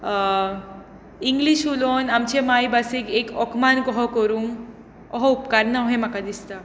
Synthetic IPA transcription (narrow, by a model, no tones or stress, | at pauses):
iŋɡliʃulonamt͡ɕemaibasikekɔkmankɔɦɔkɔɾuŋ | ɔɦɔupkaɾnaɔɦẽm̤akad̪ist̪a